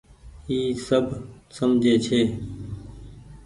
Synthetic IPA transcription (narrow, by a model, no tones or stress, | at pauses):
iːsəbʱsəmd͡ʒʱeːt͡ʃʰeː